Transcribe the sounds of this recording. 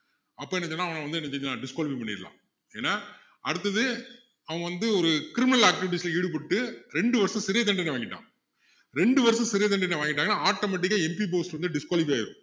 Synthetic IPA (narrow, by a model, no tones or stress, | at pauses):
ɐpːoːɛnːɐt͡ʃːɐnːaːɐʋɐ̃ŋɐʋɐnd̪ɯɛnːɐt͡ʃɛɲd͡ʒnãːɖɪskaːlbipɐɳːɪ̰ɾɯlã̰ː | eːnːaː | ɐɽɯt̪ːɐðɯ | ɐʋɐ̃ɐʋɐnd̪ɯɔɾɯkɪɾɪmɪnɐlaːk̚ʈɪʋɪʈ̬iːsɪlɐiɽɯp̬ɐʈːɯɾɛɳɖɯʋɐɾɐsɐ̃sɪɾɪjɐt̪̬ɐɳɖɐɳɖɐʋaːŋɡɪʈːã̰ː | ɾɛɳɖɯʋɐɾɐsɐ̃sɪɾɪjɐt̪̬ɐɳɖɐɳɖeʋaːŋɡɪʈːaːɡɐnːaːaːʈːomɐʈ̬ːɪkːɐɛmpiboːslʋɐnd̪ɯɖɪskaːlɪp̬ijaːɪɾɯ̃